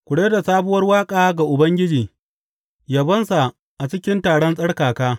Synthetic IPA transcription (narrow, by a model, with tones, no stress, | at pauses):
kʷʊ˨ɽeː˦da˨saː˦bʊ˦wɐ˦rwaː˦kʼaː˨ɡa˨ʔʊ˨bɐ˦ŋɡʲɪ˦d͡ʒiː˨ | jaː˦bɐ˦nsa˨ | ʔa˨t͡ʃɪ˦kʲɪ˦ntaː˨ɽɔ˦nsʼɐ˦ɽkaː˨kaː˦